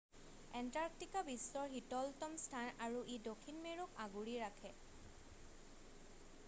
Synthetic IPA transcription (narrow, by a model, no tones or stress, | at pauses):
ɛntaɹktikabistɔɹɦitɔltɔmstʰanaɹuʔedokʰːinmeɹukʰaɡuɹiɹakʰɛ